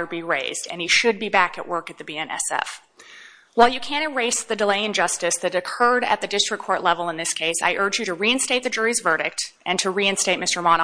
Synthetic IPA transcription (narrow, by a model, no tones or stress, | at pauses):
ə˞biɹeɪzdɨ̰̃niʃɨd̚bibækɨ̰ʔwɜ˞kɨt̪̚ðɨbiɛ̃nɛ̰sɛ̰f | waɪlˠjɨkʰæ̃ɾ̃ɨ̃nɹeɪsðɨdəleɪɨ̃nd͡ʒʌstɨsðɨɾɨkʰɜ˞ɾɨ̰t̪̚ðɨdɪstɹ̥ɨkʰːɔɹʔˡlɛvl̩ˠə̃nðɪskʰeɪsa̰ɪʔɜ˞d͡ʒjɨɾɨɹiɨ̃nsteɪt̪̚ðɨd͡ʒʊɹizvɜ˞ɾɪk̚tɨ̃ntʰɨɹiɨ̃nsteɪt̚mɪstə˞mɑn